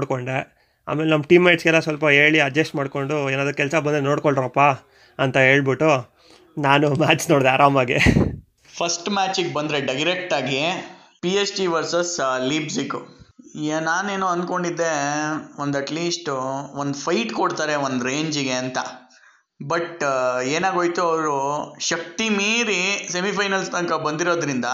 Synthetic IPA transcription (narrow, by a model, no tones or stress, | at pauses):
oɽkoɳɖɾe | a̰ːmeːlenɐmːɐʈiːmːɐjʈsɡɛlːɐsʋɐlpɐɦeːɭiɐd͡ʒɐsʈmaːɽko̞ɳɖueːnaːd̪ɐkɛlsɐbɐnd̪eno̞ːɽkoɭɖɾɐpːa | ɐnt̪ɐɦe̞ːɭbiʈːu | naːnumaːt͡ʃnoːɽd̪eaːɾaːmaːɡe | pʰɐsʈmaːt͡ʃiɡbɐnd̪ɾeɖɐjɾek̚ʈaːɡi | piesʈiʋɐɾsɐsliːbsikːu | naːne̞ːnoːɐnd̪̚ko̞ɳɖid̪ːe̞ond̪ɐʈliːsʈʋond̪pʰɐjʈkoɽt̪aːɾe̞ʋond̪ɾeːɲd͡ʒiɡe̞ɐnt̪ɐ | bɐʈeːnaːɡoːjt̪uɐʋɾuʃɐk̚t̪imiːɾise̞mipɐjnɐlst̪ɐŋkɐbɐnd̪iɾo̞ːd̪ɾind̪ɐ